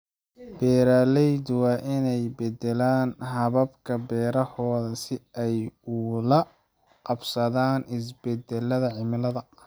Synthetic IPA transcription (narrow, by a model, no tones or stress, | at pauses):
b̥ɛːɾaːlɛjd̪wɑːʔɪnɛjbɛd̪ɛlaːnɦɐβɐbkʰɐbɛːɾɐhɔːðɐsɪɛjʊlɐ | qɑbsɐðaːnɪs̬bɛd̪ɛlːɐðɐʕɪmɪlɐðɐ